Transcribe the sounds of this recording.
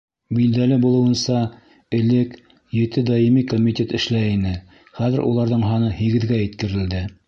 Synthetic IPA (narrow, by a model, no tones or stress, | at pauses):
bild̪ælɘbulˠɤ̆wɤ̆nsɑ | ɘ̆lɘk | jɘ̆t̪ɘd̪ɑjimikomʲitʲet̪ɘ̆ʃlæinɘ | χæðɘɾʔṵlˠɑɾðɤɴɦɑnɤhiɡɘ̆ðɡæjɘ̆t̪kɘ̆ɾɘ̆ld̪ɘ